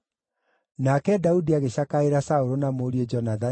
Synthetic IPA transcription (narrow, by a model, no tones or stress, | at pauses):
nakɛdaudiaɣeɕakaeɾasaoɾonamoːɾied͡ʒɔnaða